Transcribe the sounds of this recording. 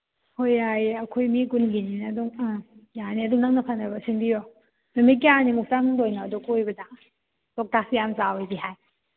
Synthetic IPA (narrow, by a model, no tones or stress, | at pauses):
hojajɐkʰojmikunɡininduŋjaniɐduŋnaŋnɐpʰanɐbɐsiŋbijo | numik̬ːianimukʰtanŋdojnaːdokojbɐdɐ | tok̚tasijamsawojbiɦaj